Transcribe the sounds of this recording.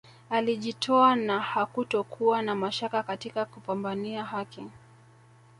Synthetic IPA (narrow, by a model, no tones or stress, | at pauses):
aliʄitʰɔanahakutɔkʰuanamaʃakakatikakupambaniaɦaki